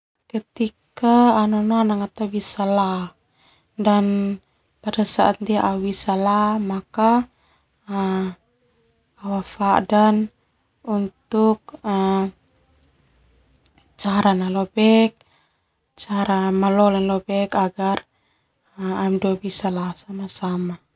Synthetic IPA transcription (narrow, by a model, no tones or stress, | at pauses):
kət̪ikaːnɔnanaŋat̪abisala | dan | padasaʔand̪iaʔawisalamaka | awafadan | unt̪uk̚ə | t͡ʃaɾanalɔbɛk̚ | t͡ʃaɾamalɔlɛnlɔbɛkaɡar | amduabisalasamasama